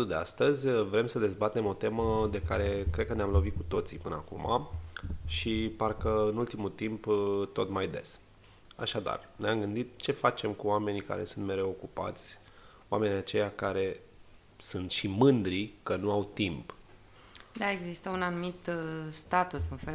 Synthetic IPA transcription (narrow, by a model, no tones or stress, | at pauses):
ud̪e̞a̰st̪əzʲvɾe̞msəd̪e̞zbat̪e̞mo̞t̪e̞məd̪e̞kaɾe̞kɾed̪̚kəneamlo̞vit̪̚kut̪o̞t̪sipɨnəakṵma̰ | ʃiparkəɨnult̪imult̪impt̪o̞t̪majd̪es | a̰ʃad̪a̰rneamɡɨnd̪it̪̚t͡ʃe̞fat͡ʃe̞mkuame̞nika̰ɾe̞sunt̪me̞ɾeo̞kupa̰t̪sʲ | oa̰me̞niat͡ʃe̞jakaɾe̞ | sunt̪ʃimɨnd̪ɾikənuawt̪imp | d̪aeɡzist̪əunanumit̪st̪at̪usɨnfe